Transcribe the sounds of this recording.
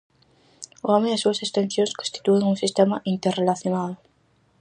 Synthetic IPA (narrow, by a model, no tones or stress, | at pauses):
oameðesuasest̪ẽnθjonskonst̪i̥t̪ueŋunsist̪emaʔint̪errelaθjonaðo